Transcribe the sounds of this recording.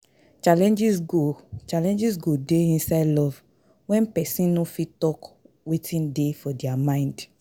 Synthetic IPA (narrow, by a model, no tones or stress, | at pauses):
t͡ʃalɛ̃nd͡ʒisɡot͡ʃalɛ̃nd͡ʒisɡodeĩnsaɪdlɔv | wɛ̃npɛsĩnnɔfitɔk | wetʰĩndefɔdiamãɪ̃nd